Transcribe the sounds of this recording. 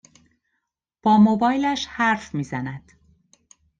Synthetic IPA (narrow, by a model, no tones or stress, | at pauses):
b̥ɒːmobɒːjlæʃhæɾfmiːzænæd̪̥